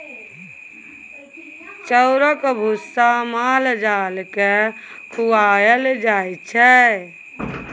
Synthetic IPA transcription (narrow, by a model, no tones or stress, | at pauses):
t͡ʃəʊɾəkbʱusamald͡ʒalke | kʰuwajəld͡ʒajt͡ʃʰɛ